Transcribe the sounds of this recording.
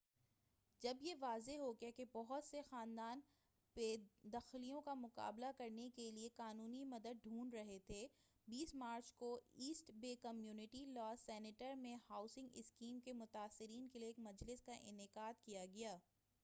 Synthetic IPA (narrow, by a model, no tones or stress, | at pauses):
d͡ʒɐbjeʋaːzeɦoɡekebɔɦʊt̪sexaːnd̪aːn | beːd̪ɐxɪlijõkamʊqa̰ːblakɐɾnekelieqaːnuːnimɐd̪əd̪̚ɖʱũːɳɖɾɐɦet̪ʰe | biːsmaːɾt͡ʃkoiːsʈbeːkɐmjuːnɪʈilɔːsɛːnɪʈəɾmẽhaːʊsɪ̃ŋɡɪ̰skiːmkemʊt̪aːsːɪɾiːnkelieːkmɐd͡ʒlɪskaʔɪ̰nɪqaːd̪kijaɡɐjaː